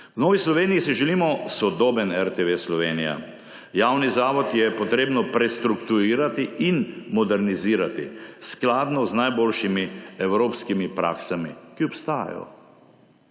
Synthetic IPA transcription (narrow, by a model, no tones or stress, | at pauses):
wnɔːʋislɔʋeːnijisiʒɛliːmɔsɔd̪oːbənɛɾt̪eʋeːslɔʋeːnija̰ | jaːwnizaːʋɔt̪jɛpɔt̪ɾeːbnɔpɾɛst̪ɾukt̪uɾiːɾat̪iinmɔd̪ɛɾniziːɾat̪ḭsklaːd̪nɔznajboːlʃimiɛwɾoːpskimipɾʔa̰ːksamikiɔpst̪aːja̰jɔ̰